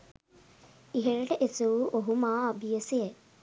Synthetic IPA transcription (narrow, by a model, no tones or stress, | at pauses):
iɦeɾəʈəʔesuuʔoɦumaːɐbijəseje